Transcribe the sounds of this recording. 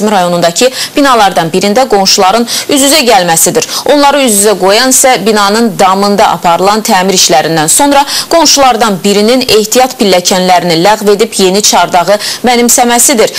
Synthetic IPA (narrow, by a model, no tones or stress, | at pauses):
miɾɑjo̞nund̪ɑcʰib̥inɑlˠɑɾd̪ɑnbiɾind̪æɡo̞nʃulˠɑɾɯnyzyzæɟælmæsid̪iɾo̞nlˠɑɾɯyzyzæɡo̞jɑnsæbinɑnɯnd̪ɑmɯnd̪ɑʔɑ̰pʰɑɾɯlˠɑnt̪ʰæːmiɾiʃlæɾind̪ænso̞nɾɑɡ̥o̞nʃulˠɑɾd̪ɑnbiɾinine̞ht̪ʰijɑt̪pilːæcʰænlæɾinilæɣve̞d̪ipje̞nit͡ʃʰɑɾd̪ɑʁɯmænimsæmæsid̪iɾ